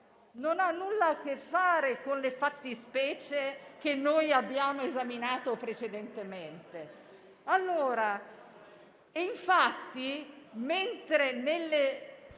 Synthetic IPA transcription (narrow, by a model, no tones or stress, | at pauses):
nonanːulːak̟efːaːɾekonlefat̪ːispɛːt͡ʃek̟enːoːjabːjaːmoezaminaːt̪opɾet͡ʃed̪ent̪ement̪e | alːoːɾa | iɱfat̪ːiment̪ɾenelːe